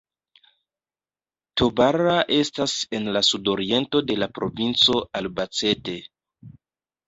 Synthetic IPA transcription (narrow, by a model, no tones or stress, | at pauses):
tobaɾaʔe̞stase̞nlasudo̞ɾie̞nto̞de̞lapɾo̞vint͡so̞albat͡se̞te̞